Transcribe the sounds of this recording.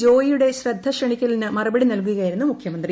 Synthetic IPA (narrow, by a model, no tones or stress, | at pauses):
d͡ʑo̞ːjjuɽe̞ɕrɐd̪ʱːɐɕrɐɳikʲːɐlnɨmɐrubɐɽinɐlk̬uɣɐjiɾunːumukʰjɐmɐnd̪ri